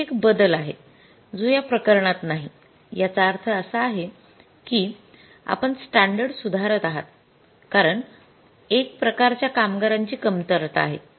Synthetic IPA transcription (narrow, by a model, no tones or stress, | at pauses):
ekbəd̪əlaɦe | d͡zojapɾəkəɾɳat̪naɦi | jat͡saːɾt̪ʰəːsəaɦe | kiː | a̰pəɳsʈaɳɖəɽsud̪ʱaɾət̪aɦat̪̚ | kaɾəɳ | ek̚pɾəkaɾt͡ɕjakamɡaɾaɲt͡ɕiːkəmt̪əɾt̪a̰ɦe